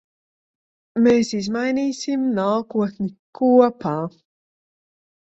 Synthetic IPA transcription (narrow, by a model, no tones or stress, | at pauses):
mesizmajnisimnaːkuəθnikʰːuːɐpʰa